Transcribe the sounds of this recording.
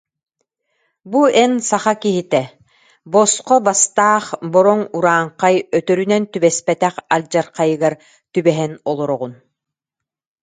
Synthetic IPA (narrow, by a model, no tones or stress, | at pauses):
buɛnsaχakiɦit̪ɛ | bɔsqɔbast̪aːχbɔɾɔŋuɾaːɴqajœt̪œɾynɛnt̪ybɛspɛt̪ɛχalʲd͡ʑaɾqajɯɡaɾ | t̪ybɛɦɛnɔlˠɔɾɔʁun